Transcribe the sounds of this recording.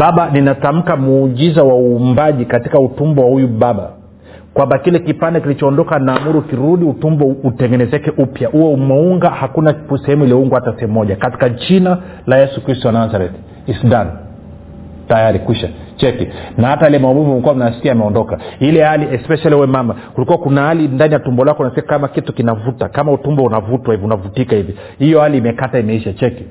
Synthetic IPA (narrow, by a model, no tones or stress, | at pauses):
baɓaninatam̩kamuːʄizawauːmbaʄikatikautumbɔwahujuɓaɓa̰ | kwambakilɛkipandɛkilit͡ʃɔːndɔkanaːmuɾukiɾuɗiutumbɔutɛŋɡɛnɛzɛkɛʔupjahuwɛumɛuŋɡahakunasɛhɛmuiliɔuŋɡwahatasɛɛmːɔʄakati̥kat͡ʃina | lajɛsukɾistɔanazaɾɛt̪ | isdan | tajaɾikwiʃa | t͡ʃɛkinahatajailɛmaɔmuvumɛkuwam̩unasi̥kiamɛɔndɔkailɛhaliɛspɛʃaliuwɛmamakulikuwakunahalindanijatumbɔlakɔunasɛakamakitukinavutakamautumbɔunavutwaivunavutikahivi | hijɔhaliːmɛkataimɛiʃat͡ʃɛki